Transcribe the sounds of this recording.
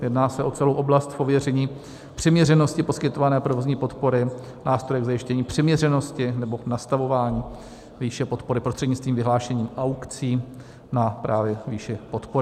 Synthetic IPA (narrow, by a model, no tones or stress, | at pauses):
jɛdnaːsɛo̞t͡sɛlowʔo̞blast̪po̞vjɛrɛɲiː | pr̝̥ɛmɲɛrɛno̞scɪpo̞skɪt̪o̞vanɛːpɾovo̞zɲiːpo̞t̪po̞ɾɪ | naːst̪ɾo̞jɛɡzajɪʃcɛɲiːpr̝̥ɛmɲɛrɛno̞scɪnɛbo̞nast̪avo̞vaːɲiː | viːʃɛpo̞t̪po̞ɾɪpɾost̪r̥ɛdɲɪt͡st̪viːmvɪɦlaːʃɛɲiːmʔawkt͡siː | napɾaːvjɛviːʃɛpo̞t̪poɾɪ